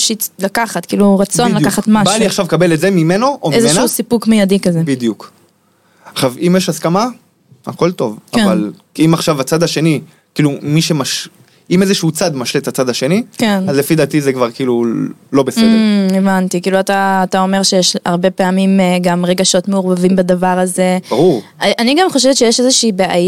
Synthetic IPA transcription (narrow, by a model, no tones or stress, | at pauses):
ʃilakaχat̪kḭːluʁat͡so̞nnlakkaχat̪mabaliaχʃavkabeletzemime̞no̞ʔomezeʃusipukmejadikazebid̪ijuk | aχʃavimjeʃaskama | a̰ko̞lt̪o̞vaval | imaχʃavat͡sad̪aʃe̞ni | kiːlumiʃe̞maʃ | imezeʃeut͡sad̪maʃlet̪at͡sad̪aʃe̞nikenazlefid̪aːt̪izekvaʁkiːlulobesed̪eevant̪ikiːluat̪aːt̪aomeʁʃejeʃaʁbe̞peamimɡamʁeɡaʃo̞t̪meuʁbavimbadavaʁazebaʁuʁʔaniɡamχoʃevet̪ʃejeʃezeʃiːbeʔaj